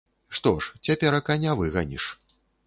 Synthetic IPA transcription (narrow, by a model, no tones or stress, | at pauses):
ʂt̪ɔʂt͡sʲapʲɛɾɐkanʲavɨɣɐnʲḭʂ